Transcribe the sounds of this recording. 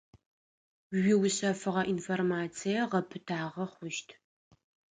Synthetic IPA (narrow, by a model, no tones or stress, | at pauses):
ɥɪwɕɐfɨʁɐʔinformaːt͡sʰijɐʁɐpʰɨtʰaːʁɐχʷʊʃtʰ